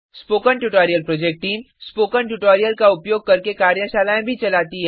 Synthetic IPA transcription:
spoːkəɳʈuʈɔːɾijəlpɾoːd͡ʒek̚ʈːiːm | spoːkəɳʈuʈoːɾijəlkaʊpjoːɡ̚kɐɾkekaːɾjəʃaːlaːẽbʱit͡ʃɐlaːt̪iɦɛ

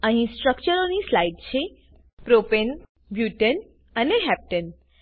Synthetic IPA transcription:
əɦĩsʈɾək̚t͡ʃəɾonislajɖt͡ʃʰe | pɾopen | bjuʈən | əneɦɛp̚ʈən

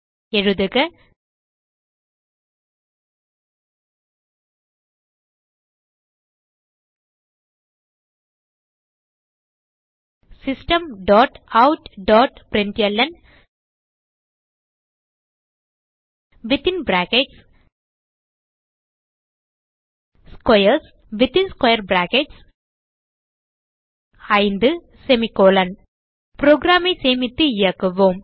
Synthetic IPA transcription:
eɻuðɨkɨ | sɪsʈɐmɖoːʈɐwʈɖoːʈpɾɪɳʈjɛlːɐn | ʋɪt̪ɪnbɾaːkeʈs | skɐjɐɾs | ʋɪt̪ɪ̃nskɐjɐɾbɾaːkeʈs | ɐɪnd̪ɨ | sɛmikoːlɐn | pɾoːɡɾaːmeseːmɪt̪ːɨɪjɐkːɐʋoːm

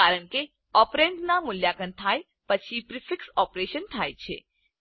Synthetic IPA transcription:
aɾəɳ̃ke | ɔpɾeɳɖnamʊljakənt̪ʰaj | pət͡ʃʰipɾɪfɪksɔpɾeʃənt̪ʰajt͡ʃʰḛ

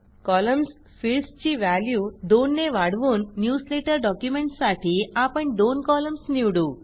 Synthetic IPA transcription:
kɔːlɐms | pʰilst͡ʃiʋaːljud̪oːnːeːʋaːɽʋunnjuːsleːʈɐɾɖɔːkjumeɳʈsaːʈʰiaːpɐʈd̪oːnkɔːlɐmsnjiwɽu

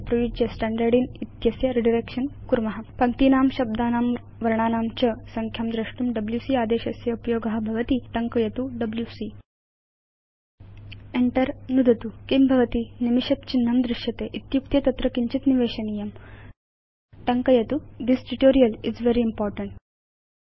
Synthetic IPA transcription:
pɾɐʋid͡ʒjɐsʈæɳɖɐɾɖinit̪jɐsjɐɾiɖiɾekʂɐnkuɾmɐɦapɐŋt̪iːnaːmɕɐb̚d̪aːnaːm | ʋɐɾɳaːnaːmt͡ɕɐsɐŋkʰjɐmd̪ɾɐʂʈumɖɐbljusiaːd̪eːɕɐsjɐupjoːɡɐɦɐbʱɐʋɐt̪iːʈɐŋkɐjɐt̪uɖɐbljusi | eɳʈɐɾnud̪ʱɐt̪ukimbʱɐʋɐt̪iːnimiɕɐt̪̚t͡ɕinːɐmd̪ɾɪʃjɐt̪eːʔit̪juk̚t̪jɐt̪ɐt̪ɾɐkiɲt͡ɕit̪niʋeːɕɐnijɐm | ʈɐŋkɐjɐt̪ud̪isʈuʈoːɾijɐlid͡zʋeɾiːmpɔːɾʈɐɳʈ

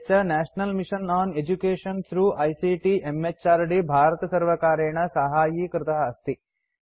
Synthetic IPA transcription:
t͡ʃɐnæːʃnɐlmiʃɐnaːned͡ʒukeːʃɐnt̪ʰɾuːʔɐjsiʈiʔemet͡ʃaːɾɖibʱaːɾɐt̪ɐsɐɾʋɐkaːɾeːɳɐsɐɦaːjikɾɪt̪ɐɦɐɐst̪i

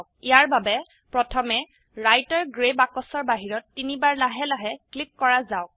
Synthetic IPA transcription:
kijaɹbabɛ | pɹɔtʰɔmɛ | ɹajtaɹɡɹebakɔsɔɹbaɦiɹɔtːinibaɹlaɦɛlaɦɛklikːɔɹazaʊk̚

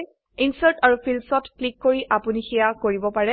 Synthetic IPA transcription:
insaɹtaɹupʰilmsɔtklikːoɹiʔapunixijakoɹibɔpaɹɛ

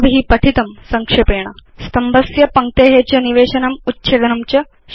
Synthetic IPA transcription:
bɦiːpɐʈʰit̪ɐmsɐŋkʂepeːɳ̃ɐst̪ɐmbʱɐsjɐpɐŋ̚t̪eːɦet͡ɕjɐniʋeːɕɐnɐmut̪ːɕeːd̪ɐnumt͡ɕɐ

